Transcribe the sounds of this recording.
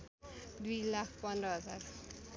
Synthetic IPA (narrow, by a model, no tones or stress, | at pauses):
d̪ujlakʰpʌndrʌɦʌd͡zar